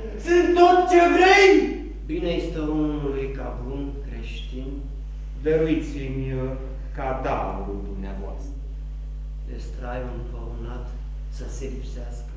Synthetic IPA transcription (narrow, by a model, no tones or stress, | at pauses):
sɨnt̪ot̪t͡ʃe̞vɾej | bineist̪oonunulujkabɾunkɾe̞ʃt̪in | d̪əɾuit̪simʲ | kad̪a̰vluɾuld̪umneavoa̰st̪ɾə | d̪est̪ɾajvɨnpaunat̪ | səselipseaskə